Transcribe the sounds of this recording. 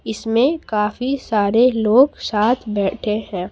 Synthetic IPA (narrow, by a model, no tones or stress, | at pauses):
ɪsmẽkaːfisaːɾeloːɡsaːt̪ʰbɛːʈʰeɦɛ̃ː